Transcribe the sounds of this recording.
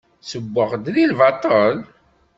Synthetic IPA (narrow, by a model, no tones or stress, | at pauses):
səbːəʁd̪ðilvɑt̪ˤəl